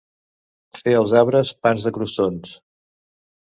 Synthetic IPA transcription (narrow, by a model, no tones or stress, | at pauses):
feəlˠzaβɾəspanzðəkɾusons